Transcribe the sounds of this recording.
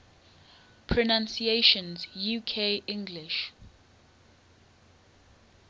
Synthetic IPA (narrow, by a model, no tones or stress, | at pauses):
pʰɹɔnãnsieʃɔ̃nzjukʰeʔɪ̃ŋɡlɪʃ